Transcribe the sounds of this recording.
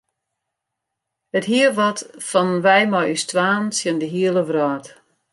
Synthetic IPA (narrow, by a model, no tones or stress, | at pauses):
əthiəʋɔtfɔnʋɛjmɔjystʋaːnsjəndəɦiəlˠəʋrɔːt